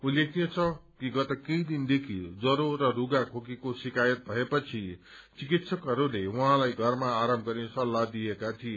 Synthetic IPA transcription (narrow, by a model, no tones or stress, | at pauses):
ulek̚ʰijet͡sʰʌkiɡʌt̪ʌkejd̪ind̪ekʰid͡zʌɾorʌruɡakʰokikosikajʌt̪̚bʱʌepʌt͡sʰi | t͡sikit̪sʌkʌɾulewaɦãlajɡʱʌrmaːɾʌmbɡʌɾnesʌlːad̪ijekat̪ʰie